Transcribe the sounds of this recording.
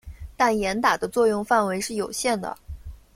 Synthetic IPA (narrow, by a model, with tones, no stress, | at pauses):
t̪a˥˩njɛ˧˥nt̪a˨˩d̪ə˦t͡swɔ˥˧jʊ˥˧ŋfa˥˩nwe˧˥ɪʂɻ̩˥˩jo˨˩ʊɕjɛ˥˩nd̪ə̰˩